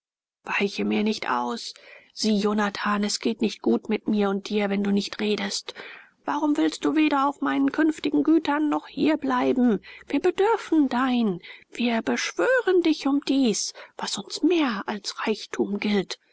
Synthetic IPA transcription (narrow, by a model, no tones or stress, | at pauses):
v̥aɪçəmiːɐnɪçtʔa̰ʊsz̥iːjoːnatʰaːnɛsɡ̥eːtnɪçt̚ɡ̥uːtmɪtmiːɐʊnt̚d̥iːɐvɛnduːnɪçtʁeːdəst | v̥aːʁʊmvɪlst̚d̥uːveːɾɐaʊfmaɪnənkʰʏnftɪɡŋ̩ɡyːtɐnːɔχhḭːɐblaɪbm̩v̥iːɐbədʏɐfn̩daɪnv̥iːɐbəʃv̥øːʁəndɪçʊmd̥iːsv̥asʊnsmeːɐʔalsʁaɪçtʰuːmɡɪlt